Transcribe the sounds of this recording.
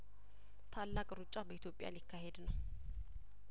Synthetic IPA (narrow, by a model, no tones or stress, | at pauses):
t̪ʰalːakʼɾut͡ʃʼabəit̪jo̞pʼja̰lɪkʰːahe̞d̪nəw